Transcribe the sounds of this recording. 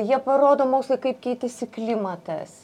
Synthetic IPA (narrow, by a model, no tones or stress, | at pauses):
jiɛpɐɾoːd̪oːmoːksʲlˠɐkɐɪpkʲɛɪt̪ʲɪsʲɪklʲimɐt̪ɐ̰s